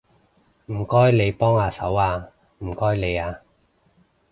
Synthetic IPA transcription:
m̩˨˩kɔː˥jle˨˧jpɔː˥ŋaː˧sɐ̰˨˥waː˧ | m̩˨˩kɔː˥jle˨˧jaː˧

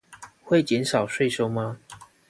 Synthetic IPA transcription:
xwe˥˨˩ɪt͡ɕjɛ˨˦nʂɑ˨˩ʊʂwe˥˧ɪʂo˥ʊma˧

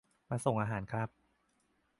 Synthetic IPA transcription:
maː˧so˨˩ŋʔaː˧ɦaː˩˦nkʰɾa˦˥p̚

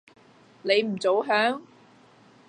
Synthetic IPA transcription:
ne˨˧jm̩˨˩t͡so˨˥wɦœː˨˥ŋ

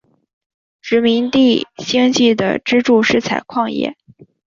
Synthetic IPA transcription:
ʈ͡ʂɻ̩˧˥mi˧˥ŋt̪i˥˧ɕi˥ŋt͡ɕi˥˩d̪ə̰˩ʈ͡ʂɻ̩˥ʈ͡ʂu˥˧ʂɻ̩˥˩t͡sʰa˨˩ɪkʰwɑ˥˧ŋjɛ̰˥˩

